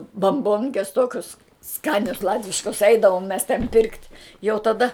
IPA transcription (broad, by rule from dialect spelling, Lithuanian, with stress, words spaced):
bɐmˈboːŋʲkʲɛs ˈtoːkʲʊs ˈskɑːnʲɛs ˈlˠɑːtʲʋʲɪʃkɐs ˈɛɪdɐʋoːm mʲɛs tʲɛn pʲɪrktʲ jɛʊ tɐˈdɐ